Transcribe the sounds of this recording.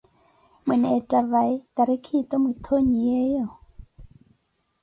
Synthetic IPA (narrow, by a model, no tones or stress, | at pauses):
mənɛtavajt̪aɾikʰit̪ɔmut̪ʰoɲiejo